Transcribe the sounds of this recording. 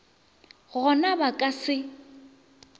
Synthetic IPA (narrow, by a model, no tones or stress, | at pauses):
ɣɔnabakʼasɪ